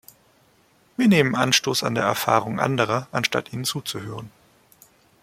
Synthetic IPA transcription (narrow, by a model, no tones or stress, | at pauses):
viːɐneːmənʔanʃtoːsa̰ndeːɐɛɐfa̰ːʁʊŋʔa̰ndəʁ̞ɐʔanʃta̰tʔiːnənt͡suːt͡suhøːʁ̞ən